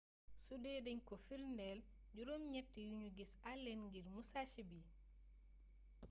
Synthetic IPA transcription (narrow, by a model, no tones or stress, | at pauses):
sudɛːdɛɲkɔfilndɛl | ɟuɾomɲɛtːejuɲuɡisalːenŋɡiɾmusaʃibi